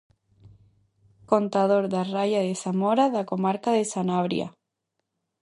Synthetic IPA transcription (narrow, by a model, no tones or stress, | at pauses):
kont̪að̞oɾðarajaðesamoɾaðakomaɾkaðesanaβɾj̰a̰